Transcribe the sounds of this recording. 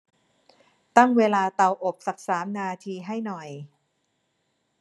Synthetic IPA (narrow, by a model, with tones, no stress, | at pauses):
t̪a˥˩ŋweː˧laː˧t̪a˧wʔo˨˩p̚sa˨˩k̚saː˩˦mnaː˧t̪ʰiː˧ɦa˥˩jnɔ˨˩j